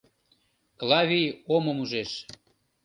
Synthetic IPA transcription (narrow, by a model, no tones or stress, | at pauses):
klɑβʲijomŏmuʒeʃ